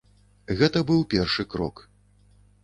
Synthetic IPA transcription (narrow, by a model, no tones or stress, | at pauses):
ɣɛt̪ɐbɨwpʲɛrʂɨkɾɔ̰k